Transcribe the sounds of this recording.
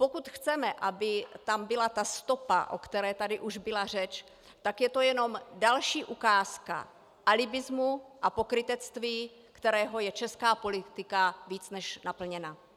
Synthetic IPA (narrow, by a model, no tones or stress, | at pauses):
pokut̪xt͡sɛmɛʔabɪt̪ambɪlat̪ast̪o̞pa̰ʔo̰kt̪ɛɾɛːt̪adɪʔuʒbɪlar̝ɛt͡ʃ | t̪akjɛt̪o̞jɛno̞mdalʃiːʔukaːska̰ | ʔalɪbɪzmuʔapo̞kɾɪt̪ɛt͡st̪viː | kt̪ɛɾɛːɦo̞jɛt͡ʃɛskaːpo̞lɪt̪ɪkaviːt͡snɛʃnapl̩ɲɛna